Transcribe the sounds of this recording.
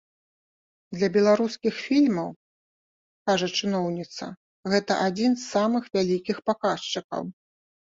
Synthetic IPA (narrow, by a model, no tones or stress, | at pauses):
d̪lʲɐbʲɛlˠaɾuskʲixfʲilʲmɐw | kaʐɐt͡ʂɨnɔwnʲit̪sɐ̰ | ɣɛt̪ɐʔad͡zʲinzːamɨxvʲalʲikʲixpakast͡ʂɨkɐ̰w